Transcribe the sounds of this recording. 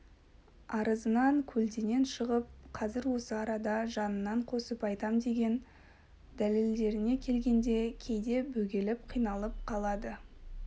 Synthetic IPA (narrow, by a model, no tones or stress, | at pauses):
ɑɾʔəzənɑŋkʲʰɵlt̪ene̞nʃəʁəp̚qʰɑzɪɾwo̞səɑɾɑd̪ɑʒɑnənːɑɴqʰo̞səpɑjt̪ɑmd̪e̞ɡʲe̞n | d̪æle̞ld̪e̞ɾɪne̞kʲʰe̞lɡʲe̞nd̪e̞kʲʰe̞jd̪e̞bɵɡʲe̞lɪpqʰijnɑlˠəp̚qʰɑlˠɑd̪ə